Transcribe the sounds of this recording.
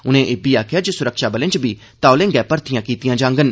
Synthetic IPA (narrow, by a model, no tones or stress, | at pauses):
ʊnẽːʔeːbiːaːkʰjaːd͡ʒeːsʊɾəkʃaːbəlɪ̃t͡ʃbiː | t̪aːolẽːŋɡɛːpəɾt̪ʰɪjãːkiːt̪ɪjãːd͡ʒãːŋɡən